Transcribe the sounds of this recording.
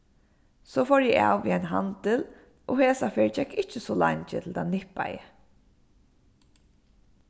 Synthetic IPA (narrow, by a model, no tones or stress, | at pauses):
soːfɔɹjɛa̰wʋiːaɪnɦant̪ɪl | ʔoheːsafeːɹt͡ʃɛkːɪt͡ʃːəsɔla̰ɲt͡ʃət̪ʰɪlt̪ʰanɪhpːa̰jə̰